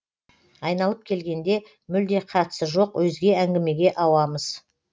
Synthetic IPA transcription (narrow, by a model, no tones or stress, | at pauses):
ɑjnɑlˠəp̚kʲʰe̞lɡʲe̞nd̪e̞ | mʏld̪e̞qʰɑt̪ə̥səʒo̞qwɵzɡʲe̞æŋɡʲɪme̞ɡʲe̞ʔɑwɑməz̥